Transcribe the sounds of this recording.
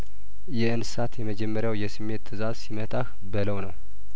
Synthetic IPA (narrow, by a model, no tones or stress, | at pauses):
jɛɨnsat̪jɛməd͡ʒɛmːəɾjawjɛsɨmːe̞t̪ʰːɨzazsimət̪ʰah | bələwnəw